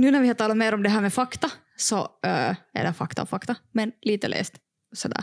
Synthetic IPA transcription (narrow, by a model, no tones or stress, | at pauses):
nʉːnæɾvʋɪhɑt̪ʰɑːlːat̪meːɾɔmd̪ɛɦæːɾmɛfɑkt̪a | sɔ | æ̰ɖɛfɑkt̪a̰ɔfɑkt̪amɛnliːt̪əlʔḛːst̪ | sɔd̪æ̰ːɾ